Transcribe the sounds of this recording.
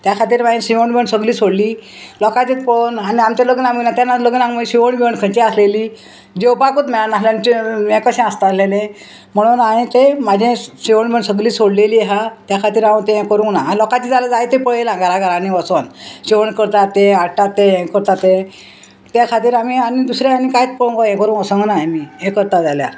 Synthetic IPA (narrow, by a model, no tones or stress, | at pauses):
t̪jakʰat̪iːɾmad͡ʑẽɕiʋəɳbəɳsəɡliːsoɽliː | lɔkãt̪it̪pənaniamt͡ɕ̪aləɡənaminat̪janːaləɡənaŋɡməɕiʋəɳbiwɳkʰət͡ɕĩasleliː | d͡ʑewpakəːt̪mɛɭanasljant͡ɕimɛkəɕɛ̃ast̪alelẽ | m̤əɽ̃uːnamĩt̪emad͡ʑʱẽɕiʋəɳbəɳsəɡliːsoɽleliːɦat̪jakʰat̪iːɾãt̪eɛ̃kəɾũŋɡnalɔkat͡ɕiːd͡zalad͡zajet̪epəɭelãɡaɾaɡʱaɾãniʋəsonɕeʋəɳkəɾt̪at̪ːẽaʈat̪ːeɛ̃kəɾt̪at̪ẽ | t̪jakʰat̪iːɾamianid̪usɾaanikajt͡spəɭũŋɡoɛ̃kəɾũnəsə̃ŋɡnamiẽkəɾt̪ad͡zalja